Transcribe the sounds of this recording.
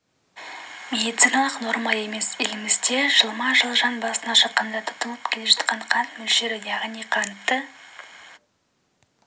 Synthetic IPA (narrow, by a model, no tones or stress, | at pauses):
mʲe̞d̪it̪sijnɑlˠəqno̞ɾmɑe̞me̞sɪlɪmɪzd̪e̞ʒ̥əlˠmɑʒəlˠʒɑnbɑsənɑʃəqːɑnd̪ɑt̪ʰʊ̥pt̪əlˠəpkʲʰe̞le̞ʒɑt̪qɑɴqʰɑnt̪mɵlʃeɾɪjɑʁnijqʰɑnt̪ːə